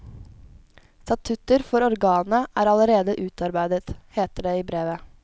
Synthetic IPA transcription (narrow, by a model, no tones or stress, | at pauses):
st̪ɑt̪ʰʉt̪əɾfɔɾɔɾɡɑːnəʔæːɾɑləɾeːd̪əʔʉːt̪ɑɾbæɪd̪ət̪heːt̪əɖeːiːbɾeːʋə